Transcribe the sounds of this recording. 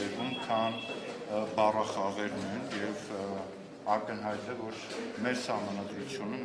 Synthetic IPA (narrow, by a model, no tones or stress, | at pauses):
ɛɾvumkʰɑn | bɑrɑχɑʁɛɾnɛjnjɛv | ɑkənɦɑjt̪ɛvɔɾ | mɛɾsɑhmɑnɑd̪ɾut͡sʰjunəm